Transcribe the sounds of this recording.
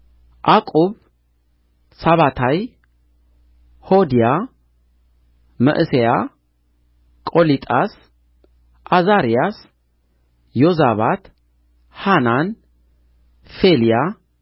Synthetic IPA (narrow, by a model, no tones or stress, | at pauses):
ʔakʼuβ | saβat̪ʰaj | hod̪ija | mə̰ʔɨseja | kʼolit̪ʼas | ʔazaɾijas | jozaβat̪ | hanan | felija